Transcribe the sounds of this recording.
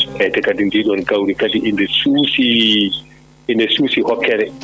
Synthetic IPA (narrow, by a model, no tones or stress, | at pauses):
ʔɛjtɛkadindiːɗɔnkawɾikadiʔːndɛsuːsi | indɛsuːsihɔkʰːɛɾɛ